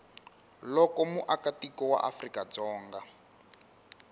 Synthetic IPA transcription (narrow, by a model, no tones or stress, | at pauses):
lɔkɔmuʔakatikɔwa̰ʔafrikad͡zɔːŋɡa